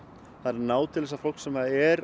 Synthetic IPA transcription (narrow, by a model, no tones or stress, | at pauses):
θaðɾnaːwt̪ʰɪlvɛsafol̥ksɛmaðɛɾ